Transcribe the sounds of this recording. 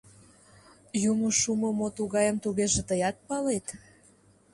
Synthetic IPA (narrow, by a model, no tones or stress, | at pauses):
jumoʃumomot̪uɣɑjəmt̪uɣeʒĕt̪əjɑt̪̚pɑlet̪